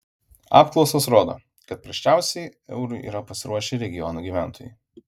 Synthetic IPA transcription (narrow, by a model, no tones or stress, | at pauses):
ɑ̰ːpklˠɒʊsosɾoːd̪o̰ː | kɐt̪̚pɾɐʃʲt͡ʃʲæˑʊsʲɛɪɛ̰ʊɾʊɪʔḭːɾɐpɐsʲɪɾʔuɔʃʲɛɾʲɛɡʲɪjɔnuːɡʲiːʋʲæˑnt̪ʰoːjṵ